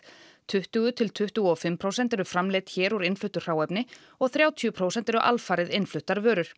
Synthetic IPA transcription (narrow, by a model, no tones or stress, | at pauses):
t̪ʰʏht̪ʏɣʏt̪ʰɪlt̪ʰʏht̪ʏɣɔfɪmːpʰɾowsɛnt̪ɛɾʏ̥fɾamleːt̪çɛːɾuɾɪnflʏht̪ʏ̥r̥aːwɛpnɪ | ɔɣθɾjaːwt̪ʰiʏpʰɾoːwsɛnt̪ɛɾʏʔa̰lfaːɾɪðɪnflʏht̪ːaɾvœːɾʏɾ̥